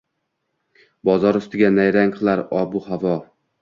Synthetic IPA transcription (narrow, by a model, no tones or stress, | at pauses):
bɒzɒɾʊst̪ɪɡʲanajɾaŋqʰɨlˠaɾɒbʊhavɒ